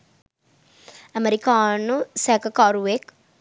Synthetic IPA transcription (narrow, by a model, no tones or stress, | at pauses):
ɐmeɾikaːnusɛkakaɾuʋek